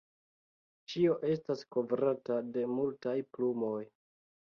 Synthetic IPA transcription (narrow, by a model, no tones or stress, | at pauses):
t͡ʃio̞ʔe̞stasko̞vɾatade̞multajplumo̞j